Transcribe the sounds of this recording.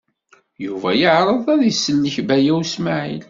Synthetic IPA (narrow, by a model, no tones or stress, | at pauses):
juvæjəʕɾˤəðˤæðisːəlːəçbæjæwsmaʕḭl